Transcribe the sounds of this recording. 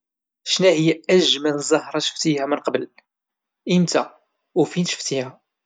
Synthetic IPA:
ʃnæhəjːææʒmænzˤɑhɾˤɑʃə̥ft̪ihæmənqbəl | imt̪æ | ufinʃə̥ft̪ihæ

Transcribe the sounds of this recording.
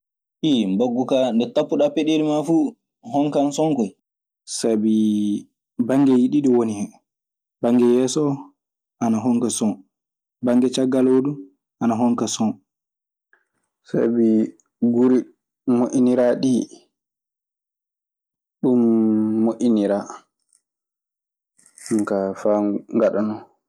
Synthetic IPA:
ʔimbaɡːukandɛtapːuɗapɛɗelimafuː | hɔŋkansɔŋkɔj | sabi | baŋɡɛjiɗiɗiwonihɛ | baŋɡɛjɛːsɔ | ʔanaɦɔŋkasɔn | baŋɡɛt͡ʃaɡːaloːɗu | anaɦɔŋkasɔ | sa̰bi | ɡuɾi | moʔʲiniɾaɗi | ɗumːoʔiniɾa | ŋkafaŋɡaɗanɔ

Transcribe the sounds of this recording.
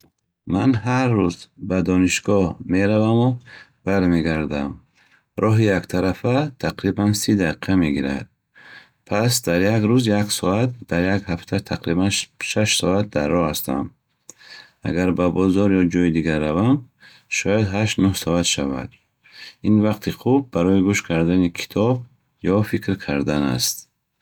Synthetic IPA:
manɦaɾːuzbad̪ɔniʃɡɔhme̞ɾavamub̥aɾme̞ɡaɾd̪am | ɾʔɔɦijakt̪ʰaɾafat̪ʰaqɾibansid̪ai̥qʰame̞ɡiɾa̰d̪̚ | pʰasd̪aɾjakɾuzjaksɔat̪̚d̪aɾjaɡhaft̪ʰat̪ʰaqɾibanʃaʃsɔat̪̚d̪arːɔhast̪a̰m | a̰ɡaɾbabɔzɔɾjɔd͡ʒɔid̪iɡarːavam | ʃɔjad̪ɦaʃt̪nuhsɔat̪ʃava̰d̪̥ | invaqt̪ʰiχub̚ːaɾɔiɡuʃkʰaɾd̪anikʰi̥t̪ʰɔb̚ | jɔfikɾkʰaɾd̪ana̰st̪

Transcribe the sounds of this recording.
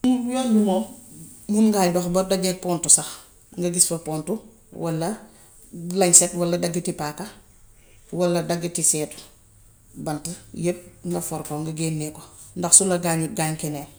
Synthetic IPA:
nujɔlduŋɔ | munŋɡaːjdɔxbɐdaɡɛpɔːntusɐx | ŋɡɐɡisfɐpɔːntu | wʔɐlːɐ | lɐɲsɛtwɐlːɐdɐɡːitipaka | wɐlːɐdɐɡitisɛːt | bɐntijep̚ŋɡɐfɔɾkɔŋɡɐɡeːnːikɔ | ndɐxsulɐɡaɲuɡaːɲkɛnɛːl

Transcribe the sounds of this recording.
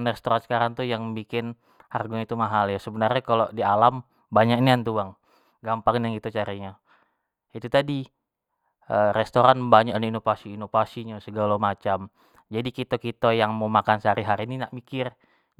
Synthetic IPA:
nrest̪oɾansə̥kaɾaŋt̪ujaŋbikɪn | harɡuɲait̪umaɦaljasəbənarɲakalodialam | baɲaniant̪uaŋ | ɡampaŋnjaŋit̪ut͡ʃaɾiɲa | it̪ut̪adi | əɾɛst̪oɾanbaɲaʔnuinofasiːnofasiɲasəɡalamat͡ʃam | d͡ʒadikit̪okit̪ajaŋmomakansəaɾiɦaɾininaʔmikɪr

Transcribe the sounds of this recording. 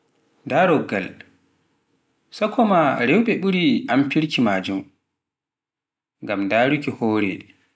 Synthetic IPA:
daɾɔɡːal | sakʰɔmaɾɛwɓɛɓuɾiʔampiɾkimaːd͡ʒum | ŋɡamdaːɾukihoːɾɛ̰

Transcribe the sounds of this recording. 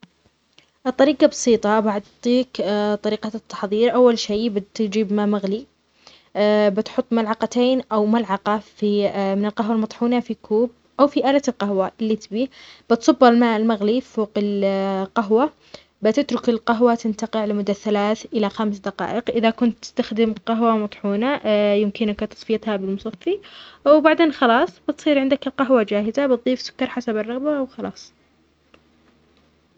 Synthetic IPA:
ʔt̪ˤːɑɾiːqɑbɑsˤiːt̪ˤɑbaʕʊt̪ˤːiːkt̪ˤɑɾiːqɑt̪ːɑ̥ħðˤiːɾʔawːalʃeːbɪt̪d͡ʒiːbmaːmaɣli | bɪt̪ħʊt̪ˤːmalʕɑqat̪eːnʔawmalʕɑqɑfimɪnɪlqaɦwalmɑt̪ˤħuːnafikʰuːb̚ | ʔawfiʔaːlat̪ɪlqahwaʔɪlːit̪biːb̥ɪt̪sˤɑbːalmaːʔɪlmaɣliffoːqɪlqaɦwa | bɪt̪ɪt̪ɾʊkɪlqaɦwat̪ɪnt̪aqɪʕlɪmʊd̪ːaθːalaːθʔɪlaxamsd̪ɑqɑ̰ːʔɪqʔɪðakʊnt̪ːɪ̥st̪axd̪ɪmqɑɦwamɑt̪ˤħuːnajɪmkɪnkt̪ɑ̥sˤfɪjat̪habɪlmʊsˤɑfːiʔwbaʕd̪eːnxɑlɑːsˤbɪt̪sˤiːɾʕɪnd̪akɪlqaɦwad͡ʒaːhɪzabɨt̪̚ˤðˤiːfsʊ̥kːɑɾˤħasabɑrˤːɑɣbaʔwxɑlɑ̰ːsˤ

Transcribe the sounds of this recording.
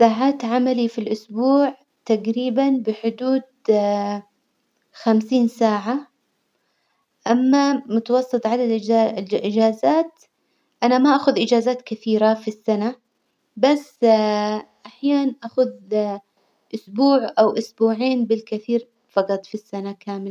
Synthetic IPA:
saːʕaːt̪ʕamalifilʔʊsbuːʕ | t̪aɡɾiːbanbɪħʊd̪uːd̪̚ | xamsiːnsaːʕa | ʔamːamʊt̪ɑwɑsˤːɨt̪ˤʕadad̪ʔʔɪd͡ʒaːzaːt̪ | ʔanamaʔaːxʊðʔɪd͡ʒaːzaːt̪kɪθiːɾafisːana | basː | ʔaħjaːnʔaxʊð | ʔʊsbuːʕʔawʔʊsbuːʕeːnbɪlkɪθiːɾ | fɑqɑt̪ˤfisːanakaːmɪl

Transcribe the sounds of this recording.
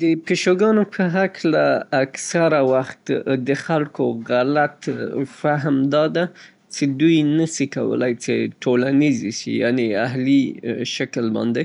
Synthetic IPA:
d̪əpeʃoɡɑnopʰəɦaklaːksaɾawaxt̪d̪əxalkoɣalat̪faɦmd̪ɑd̪a | t͡sed̪ujnəsika̰wə̰lajt͡seʈʰolaniziʃḭjaneaɦliʃakəlbɑ̰nd̪e

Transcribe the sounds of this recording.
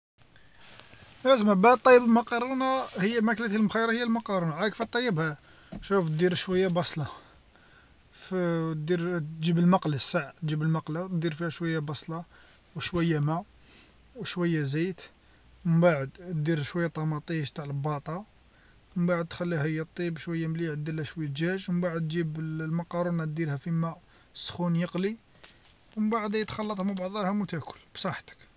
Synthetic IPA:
ʔæzmæbaʕd̪t̪ˤːɑjːəbəlmɑqɑɾˤunahəjːæmæklæt̪lmxæjɾˤɑhəjːælmɑqɑɾˤunaʕækfæt̪ˤːɑjːəbhæ | ʃuft̪d̪iɾʃwæjːabɑsˤlɑ | fd̪iɾʒibəlmɑqlasːaʕt̪ʒibəlmɑqlat̪d̪iɾfihæʃwæjːabɑsˤlɑ | wʃwæjːæmæ | wʃwəjːæzit̪ | məbaʕəd̪d̪iɾʃwæjːæt̪ˤːɑmɑt̪ˤiʃt̪aʕləbɑt̪ˤɑ | məmbaʕəd̪̚t̪xælːiɦæjət̪ˤːibʃwæjːæmliʕd̪ːəlːæʃwæjːæʒæʒwəmbaʕəd̪ʒibəlmɑqɑɾˤunæt̪̚d̪iɾhæfimæ | sːxunjəqli | wəbaʕəd̪æjt̪xɑlːɑt̪ˤhmbɑʕd̪ˤɑhæmut̪æʔkʰʊ̥lb̥sˤɑħt̪ə̥k

